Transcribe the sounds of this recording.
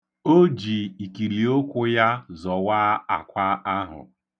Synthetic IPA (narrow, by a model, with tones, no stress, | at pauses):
o˦d͡ʒi˨i˨ki˨ɾi˨o˦kʷʊ˦ja˦zɔ˨wa˦a˨kʷa˦a˦ɦʊ̰˨